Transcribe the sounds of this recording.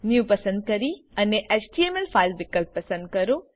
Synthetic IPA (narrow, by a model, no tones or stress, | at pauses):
njupɐsə̃nd̪̚kɐɾiɐneʔet͡ʃʈiemelfʰaːɪlbɪkəlpːɐsə̃nd̪̚kɐɾo